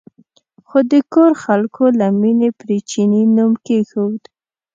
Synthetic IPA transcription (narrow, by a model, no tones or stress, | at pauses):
xod̪əkoɾxalkʰolaminepɾet͡ʃininumkexowd̪